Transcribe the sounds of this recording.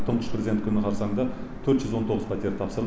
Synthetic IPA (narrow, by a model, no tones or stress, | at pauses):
t̪ʰəɴqʰə̥ʃprezʲd̪ekʰʲʏnɪqʰɑɾsɑɴd̪ɑt̪ʰɵɾt̪ʒʏzwo̞nt̪ʰo̞ʁəzpʰat̪eɾt̪ʰɑpsəɾə